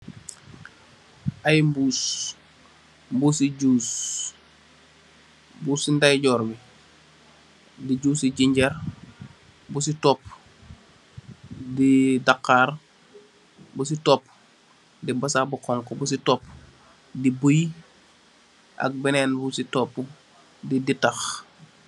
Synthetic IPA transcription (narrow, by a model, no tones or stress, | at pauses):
ʔajmbuːs | mbusiɟuːs | busindajɟɔːɾbi | diɟuːsiɟiɲɟɐɾ | busitɔːp̚ | didakːaɾ | busitɔpː | dibɐsabukɔŋkɔbusitɔp | dibuj | ʔa̰k̚bɛnɛnbusitɔpː | diditax